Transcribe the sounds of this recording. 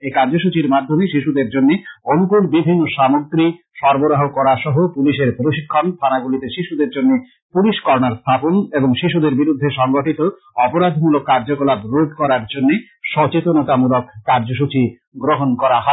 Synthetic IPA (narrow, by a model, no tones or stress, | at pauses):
ekaɾd͡ʑoʃut͡ɕiɾmad̪ʱːomeʃiʃud̪eɾd͡ʑonːeonukuɾbibʱinːoʃamoɡɾi | ʃɔɾboɾaɦokɔɾaʃɔɦopuliʃeɾpɾoʃikʰːont̪ʰanaɡulit̪eʃiʃud̪eɾd͡ʑonːe | puliʃkɔɾnaɾst̪ʰaponeboŋʃiʃud̪eɾbiɾud̪ʱːeʃɔŋɡoʈit̪o | ɔpoɾad̪ʱmulokːaɾd͡ʑokɔlabɾod̪ʱkɔɾaɾd͡ʑonːe | ʃɔt͡ɕet̪onɔt̪amulokːaɾd͡ʑoʃ̬ut͡ɕi | ɡɾoɦonkɔɾaɦɔe